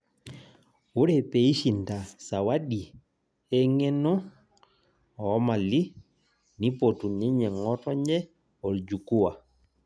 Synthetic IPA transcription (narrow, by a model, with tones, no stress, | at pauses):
wu˦ɾɛpei˦ʃinda˨sawaɗi˨ | ɛŋɛ˦nɔ˦ | ɔma˨li˦ | ni˦potuni˦ɲɛ˨ŋɔtɔɲd͡ʒɛ˦ | ɔ˨ld͡ʒuku˦wa˨